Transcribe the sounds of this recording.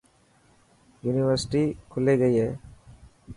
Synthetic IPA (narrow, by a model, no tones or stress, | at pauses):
juːnɪʋəɾsɪʈiːkʰʊleːɡəiːɦɛː